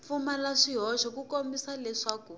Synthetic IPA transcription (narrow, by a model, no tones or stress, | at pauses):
fumalaʂiɦɔʃɔkukombisalɛʂaːku